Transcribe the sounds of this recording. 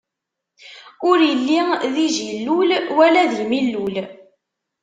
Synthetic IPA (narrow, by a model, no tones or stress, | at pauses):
ʊɾjəlːiðiʒilːulwælæðəlmilːul